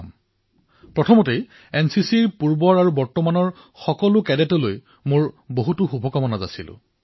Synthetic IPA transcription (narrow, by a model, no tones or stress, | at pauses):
m | pɹɔtʰɔmɔtej | ɛnsisiɹpuɹbɔɹaɹubɔɹtɔmanɔɹ | xɔkɔlʊkɛdɛtɔloj | moɹboɦutuxubʱɔkɔmɔnaza̰silʊ̰